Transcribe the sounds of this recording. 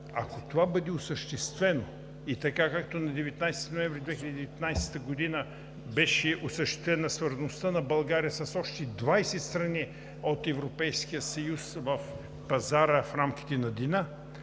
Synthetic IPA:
ɐkot̪ovabɤd̪ɛosəʃt̪ɛst̪vɛno | it̪ɐkakak̚t̪onɐd̪ɛvɛt̪najsɛ̥t̪inoɛ̃ɱvɾʲid̪vɛxilʲəd̪diɛvɛt̪najst̪əɡod̪inə | bɛʃɛʔosəʃt̪ɛ̥st̪vɛnɐsvəɾznost̪ənɐbɐlˠɡaɾijəsɐsɔʃt̪ɛd̪vajsɛt̪st̪ɾɐni | ot̪ɛvɾopɛjskijəsɐjusvɐf | pɐzaɾəfɾamk̟i̥t̪ɛnɐd̪ina

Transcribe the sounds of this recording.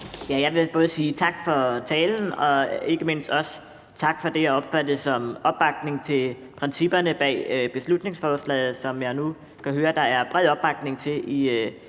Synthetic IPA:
jæjɑ̈ɪʋe̝b̥ɔ̽ːð̞ˠəsiːt͡sʰɑ̈ɡ̥fɒ̽t͡sʰɛːln̩ɒ̽e̝ɡ̥əme̝n̰sd̥ɒ̽s | t͡sʰɑ̈ɡ̥fɒ̽d̥e̝jɑɒ̽b̥fæd̥əsɒ̽mʔɒ̽b̥ɑ̈ɡ̥ne̝ŋt͡sʰe̝l | pʰʁɛnsib̥ɐnəb̥ɛ̰ːb̥e̝slud̥ne̝ŋsfɒːslɛ̰ɪð̩ˠsɒ̽mjɑ̈ɪnu | kʰæɦøːɐd̥ɑ̈æɐb̥ʁɛðˠɒ̽b̥ɑ̈ɡ̥ne̝ŋt͡sʰe̝lʔi

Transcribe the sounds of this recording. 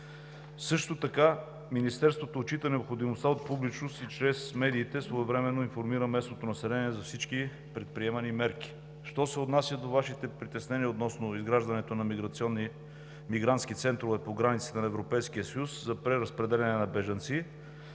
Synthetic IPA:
sɤʃt̪ot̪ɐka | minist̪ɛɾst̪vot̪oːt͡ʃit̪ənɛopxod̪imost̪aot̪̚publit͡ʃnost̪it͡ʃɾɛsmɛd̪iːt̪ɛsvoɛvɾɛmɛnːoinfoɾmiɾəmɛsnot̪onɐsɛlɛniɛzɐfsit͡ʃki | pɾɛt̪̚pɾiɛmɐnimɛɾki̥ | ʃt̪ɔsɛot̪nasʲjəd̪ovaʃit̪ɛpɾit̪ɛsnɛniəot̪nɔsnoizɡɾaʒd̪ɐnɛt̪onɐmiɡɾɐt̪siɔnːi | miɡɾant̪sk̟it̪sɛnt̪ɾovɛpoɡɾanit̪si̥t̪ɛnɐɛvɾopɛjskiəsɐjuszɐpɾɛɾəspɾɛd̪ɛlɛnɛnɐbɛʒɐnt̪si

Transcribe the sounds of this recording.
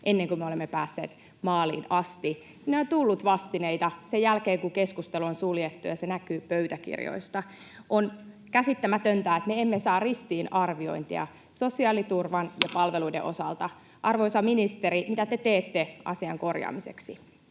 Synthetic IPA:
ʔenːeŋkumeo̞lemːepæːsːḛːt̪ | mɑːlḭːnɑst̪i | sinːeont̪ulːut̪ʋɑst̪ineit̪ɑsejælkeːŋkuŋkeskust̪eluonsuljet̪ːujɑsenækyːpøɥt̪ækḭrjo̰ist̪ɑ | ʔon | kæsit̪ːæmæt̪ønt̪æːet̪meemːesɑːrrist̪iːnɑrʋio̞̰int̪ḭɑ̰ | so̞siɑːlit̪urʋɑnjɑpɑlʋeluidḛʔo̞̰sɑ̰lt̪ɑ | ʔɑrʋojsɑminist̪eɾimit̪æt̪et̪eːt̪ːeʔɑ̰siɑŋko̞rjɑ̰ːmise̞̰ksi

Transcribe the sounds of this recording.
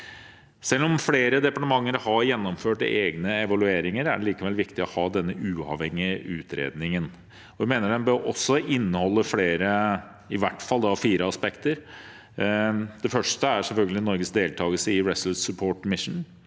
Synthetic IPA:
sɛlːɔmfleːɾəd̪ɛpɑʈəmɑŋːəɾhɑɾjɛnːɔmføːʈeːɡnəɛʋɑlʉeːɾɪŋəɾæ̰ɖɛliːkəʋɛlʋɪkt̪ɪɔhɑːd̪ɛnːəʔʉːɑ̰ʋhɛŋːɪʔʉːt̪ʰɾḛːd̪nɪŋən | ɔʋɪmeːnəɖɛnbøɾʔɔ̰sːɔʔɪnːəhɔlːəfleːɾə | ɪʋæʈːfɑld̪ɑfiːɾəɑspɛkt̪əɾ | d̪̥ɛfœʂʈəæɾʂɛlfœlɡəlɪnɔɾɡəsd̪eːlt̪ʰɑːɡəlsəɪɹɛsl̩sʉpʰoːʈmɪʂn̩

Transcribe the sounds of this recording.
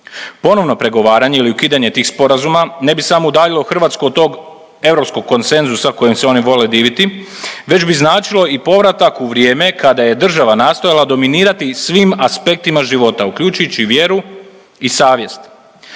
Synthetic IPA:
po̞no̞ʋno̞pɾe̞ɡo̞ʋaːɾaɲe̞iliukiːd̪aɲe̞t̪iːxspo̞ɾazumane̞bisamoud̪aːʎilˠoxr̩ʋat̪skuod̪̚t̪o̞ːɡ | e̞ʋɾo̞psko̞ɡ̚kːo̞nt̪se̞nzusako̞jemseo̞niʋo̞le̞d̪iːʋit̪i | ʋe̞d͡ʑbiznaːt͡ʃilo̞ipo̞ʋɾat̪akuʋɾje̞ːme̞kad̪aje̞d̪r̩ʒaʋanaːst̪o̞jalad̪o̞miniːɾat̪isʋimaspe̞k̚t̪imaʒiʋo̞t̪aukʎuːt͡ʃujut͡ɕiʋje̞ɾu | isaːʋje̞st̪

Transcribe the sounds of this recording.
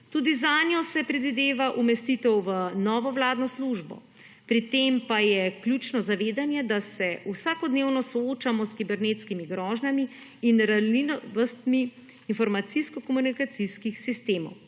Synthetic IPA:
t̪ud̪izaːnjɔsɛpɾɛd̪ʋid̪eːʋaʔumɛst̪it̪ɛwʋənɔːʋɔʋlaːd̪nɔsluʒbɔ̰ | pɾit̪empajɛkljuːt͡ʃnɔzaʋeːd̪anjɛd̪asɛusaːkɔd̪neːwnɔsɔot͡ʃamɔskibɛɾnet̪skimiɡɾɔːʒnamiːnɾalinɔʋəst̪miː | nfɔɾmat̪siskɔkɔmunikat̪siskixsist̪eːmɔ̰w

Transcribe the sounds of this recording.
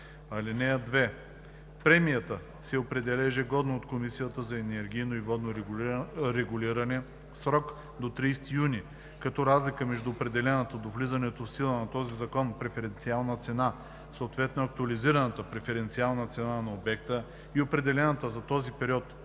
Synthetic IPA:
ɐlinɛjəd̪vɛ | pɾɛmijət̪ə | sɛopɾɛd̪ɛlɛʒɛɡɔd̪noːt̪komisijət̪əzɐɛnɛɾɡ̟ʲijnoivɔd̪noɾ | ɾɛɡʊliɾɐnɛ | sɾɔk | d̪ot̪ɾiːst̪ijuni | kɐt̪ɔɾazlikəmɛʒd̪uːpɾɛd̪ɛlɛnət̪əd̪ovlizɐnɛt̪ofsilˠənɐt̪ɔzizɐkɔnpɾɛfɛɾɛnt̪sialˠnət̪sɛna | soːt̪vɛt̪noɐk̚t̪uɐliziɾɐnət̪əpɾɛfɛɾɛnt̪sialˠnət̪sɛnanɐobɛk̚t̪ə | iopɾɛd̪ɛlɛnɐt̪əzɐt̪ɔzipɛɾiɔt̪

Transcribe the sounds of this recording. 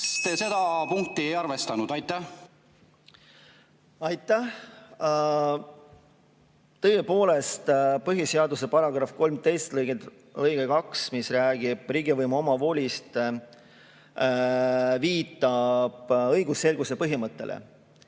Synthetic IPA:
t̪ese̞d̪ɑpuŋk̚t̪ːˑiejɑɾvest̪ɑnud̪ɑjt̪ːˑæh | ɑjt̪ˑːæh | t̪ɤ̞jepo̞ːle̞st̪pɤɦjise̞ɑd̪us̬e̞pɑɾɑɡ̥rɑfko̞lmt̪e̞jst̪lɤjɡe | lɤjɡ̥ekɑksmisræːɡ̥ib̥riɡ̥ivɤjmuo̞mɑvo̞lʲist̪ | viːt̪ːˑɑb̥ɤ̞jɡ̥usːe̞lɡ̥usepɤɦimɤt̪ːe̞lʔḛ

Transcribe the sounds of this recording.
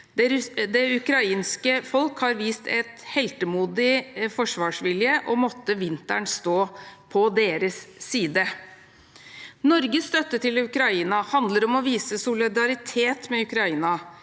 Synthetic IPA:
d̪ɛʉkɾɑiːnskəfɔlkhɑɾʋiːst̪ʰɛt̪hɛlt̪əmuːd̪ɪfɔʂʋɑːʂʋɪljəʔɔmɔt̪ːəʋɪnt̪æɳst̪oːpʰɔd̪eːɾəsːiːd̪ə | nɔɾɡəst̪œt̪ːət̪ɪlʉkɾɑiːnɑhɑnd̪ləɾɔmɔʋiːsəsʊlɪd̪ɑɾɪt̪ʰeːt̪mɛʉkɾɑiːnɑ

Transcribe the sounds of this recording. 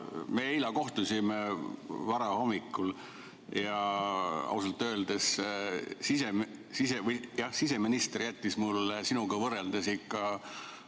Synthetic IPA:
meːilɑko̞ht̪usʲimevɑɾɑho̞mːikːˑul | jɑ | ɑ̰usɑlt̪ˑːø̞ːld̪es | sisemsisevɤjjɑhsise̞minist̪erjæt̪ʲːismulːsinuɡ̥ɑvɤrːeld̪̥esikːˑɑ

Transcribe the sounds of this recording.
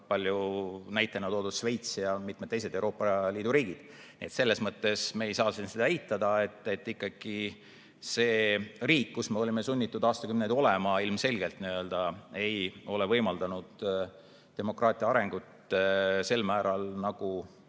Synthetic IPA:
pɑlʲjunæjt̪ːˑɑnut̪oːd̪ud̥̪ʃve̞jt̪sjɑmit̪med̪ejsed̪̥ewɾo̞ːpːˑɑliːd̪̥uɾiːɡid̪̥ | nḭe̞t̪se̞lːe̞smɤt̪ːe̞smeːjsɑːsinsed̪ɑejt̪ːˑɑd̪̥ɑe̞t̪ːet̪ːikːɑɡ̥i | se̞ːriːkːusme̞o̞lʲime̞sunʲːit̪ːˑud̪̥ɑːst̪ɑkymnejd̪o̞lemɑilmse̞lɡ̥e̞lt̪niø̞ld̪̥ɑe̞jo̞levɤjmɑld̪ɑnud̪̥ | d̪̥e̞mo̞krɑːt̪ˑiɑɑɾe̞ŋɡ̥ut̪se̞lːmæːɾɑlnɑɡ̥u

